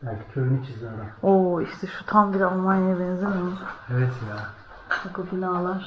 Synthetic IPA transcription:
b̥ælʲcʰi̥cʰøɾynyt͡ʃʰizoɾumoiʃt̪ʰɛʃu̥t̪ʰambiɾalˠmajnajbɛnzemioevɛt̪ja | akɯbinaːlˠaɾ

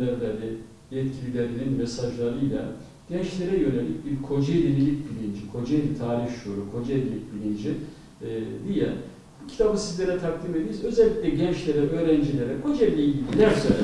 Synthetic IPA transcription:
æɾlʲaɾʲɪ | jɛt̪cʰilʲilʲeɾininmɛsaʒlˠaɾɯjlʲˠa̰ | ɟ̥ɛnt͡ʃlʲe̞ɾɛjø̞nelʲic̚biɾkʰo̞d͡ʒajlilʲilʲic̚bilʲind͡ʒikʰo̞d͡ʒajt̪ʰaːɾiçʃoɾukʰo̞d͡ʒaed̪ʲilʲic̚bilʲind͡ʒi | d̪ijɛ̰ | bucʰi̥t̪ʰabɯnsizlʲe̞ɾɛt̪ʰak̚d̪imed̪ijizø̞zɛlʲːiclʲɛɟɛnt͡ʃlʲeɾɛʔø̞ːɾɛnd͡ʒilʲe̞ɾɛkʰo̞d͡ʒajd̪ʲijiilʲinæɾsø

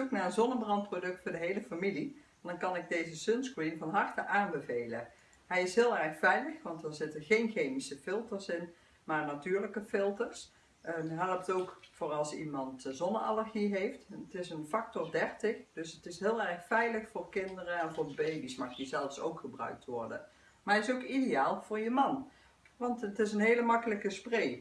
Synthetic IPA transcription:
ʊknaːənzɔnəbrɑnt̚prodɵk̚tfʊːɹdəɦejləfamili | ndɑnkɑnɪɡ̚dejzəsønskrinvɑnɦɑɹtəʔaːnbəvejlə | ɦɛjɪsɦɪːlˠɛɹxfɛjləxʋɑntdɑnzɪtəɹɣejnχejmisəfɪlˠtəɹsɪn | maːɹnatyːɹləkəfɪlˠtəɹs | nɦɛlˠəp̚towkfoːɹɑlˠsimɑntzɔnəɑ̰ləɹɣiɦejftətɪsənfɑk̚tɔɹdɛɹtɪxd̥ɵsətɪsɦɪːlˠɛɹxfɛjləxfʊːɹkɪndərəɛnvʊːɹbejbismɑxdizɛlˠfso̰wkχəbrœ̰ɥk̚tʋɔɹdə̰ | maɹɛɪsowkidejaːlˠv̥ʊːɹjəmɑn | ʋɑntətɪs̬ənɦejləmɑkələkəsprej

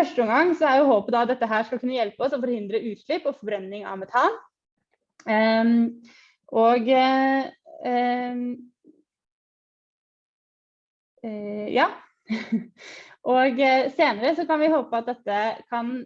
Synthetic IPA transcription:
œʂʈəɔŋɡɑŋːsɔæɾjʊɦoːpəd̪ɑɑt̪̚d̪ɛt̪ːəɦæːʂkɑlkʉnːəjɛlpəɔsɔfɔɾhɪnd̪ɾəʔʉːt̪ʂɭɪpːɔfɔbɾɛnːɪŋɑ̰ʋmɛt̪ʰɑːn | ʔɔɡ | jɑː | ʔɔɡseːnəɾəsɔkɑnʋɪhoːpəɑt̪̚d̪ɛt̪ːəkʰɑn

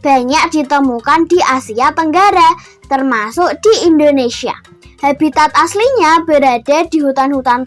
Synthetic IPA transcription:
b̥a̤ɲak̚d̥it̪əmukandiʔasiat̪əŋɡaɾa | t̪ərmasʊʔd̥iindonesia̰ | habit̪at̪asliɲabəɾad̥a̤d̥iɦut̪anhut̪an

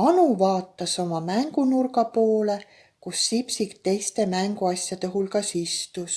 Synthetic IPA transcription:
ɑnuvɑːt̪ˑːɑso̞mɑmæŋɡ̥unurɡɑpo̞ːle̞ | kusːipsikt̪e̞jst̪e̞mæŋɡ̥uɑsʲjɑt̪e̞ɦulkɑsist̪us

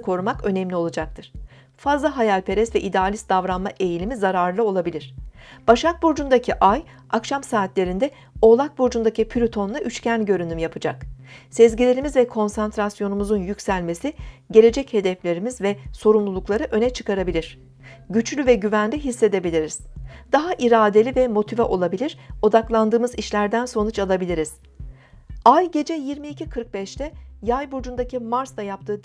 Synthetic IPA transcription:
kʰo̞ɾumakø̞nɛmlʲio̞lˠad͡ʒak̚t̪ʰɯɾ̥ | fazlˠaɦajalʲpʰe̞ɾɛsvɛʔid̪ɛalʲisd̪avɾanmaʔe̞jilʲimizaɾaɾlˠɯo̞lˠabilʲiɾ̝̥b̥aʃak̚buɾd͡ʒund̪acʰiʔaj | akʃamsaːt̪lʲe̞ɾind̪ɛ | o̞lˠak̚buɾd͡ʒund̪acipʰyɾʲut̪ʰo̞naʔyt͡ʃcʰænɟø̞ɾynymjapʰɯd͡ʒaksɛzɟilʲeɾimizvɛkʰo̞nsant̪ɾasjo̞numuzunjycsælʲme̞siɟe̞lʲe̞d͡ʒɛche̞d̪ɛflʲe̞ɾimizvɛso̞ɾumlˠulˠuklˠaɾɯʔø̞nɛt͡ʃʰɯ̥kaɾabilʲiɾ̥ | ɟyt͡ʃlʲyvɛɟyvænlʲiɦisːe̞d̪e̞bilʲiɾiz̥d̪aɦaʔiɾaːd̪e̞lʲivɛmo̞t̪ʰivɛʔo̞lˠabilʲiɾ̥o̞d̪aklˠand̪ɯːmɯziʃlʲæɾd̪ænso̞nut͡ʃalˠabilʲiɾiz̥ | ajɟe̞d͡ʒɛjiɾmiːcʰikʰɯɾk̚bɛʃt̪ʰɛjajbuɾd͡ʒund̪acʰimaɾsd̪ajap̚t̪ʰɯː

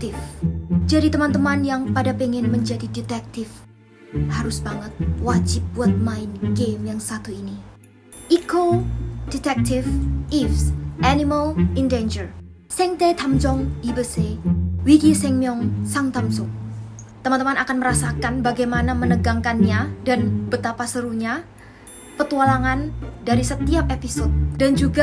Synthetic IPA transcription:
k̚t̪ɪfd͡ʒadit̪əmant̪əmanjaŋpadapeŋɛnməɲd͡ʒadidit̪ɛk̚t̪ɪf | haɾʊsbaŋət̪̚wad͡ʒɪp̚buat̪̚maɪnɡemjaŋsat̪uini | ʔikodit̪ɛk̚t̪ɪfifsʔaniməlindend͡ʒər | sɛŋt̪et̪ʰamt͡ʃɔŋibəsewikisɛŋmiɔŋsaŋt̪amsɔŋ | t̪əmant̪əmanakanməɾasakanbaɡajmanamənəɡaŋkanɲadanb̥ət̪apasəɾuɲa | pət̪ualaŋandaɾisət̪iap̚episot̪̚dand͡ʒuɡa

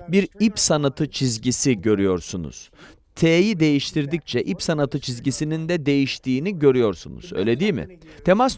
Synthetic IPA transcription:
biɾipsanat̪ʰɯt͡ʃʰizɟisiɟø̞ɾyjo̞ɾsunṵz̥ | t̪ʰeːjid̪e̞jiʃt̪ʰiɾd̪ic̚t͡ʃʰɛʔipsanat̪ʰɯt͡ʃʰizɟisinind̪ɛd̪e̞jiʃt̪ʰiːniɟø̞ɾyjo̞ɾsṵnṵz̥ø̰jlʲe̞d̪ijmɪ̰t̪ʰe̞mas

